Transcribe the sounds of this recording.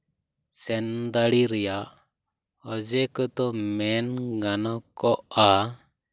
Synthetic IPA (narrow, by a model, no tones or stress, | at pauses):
sɛnd̪aɽiɾɛjaʔ | əd͡ʒɛkɔt̪ɔmɛnɡanɔkɔʔa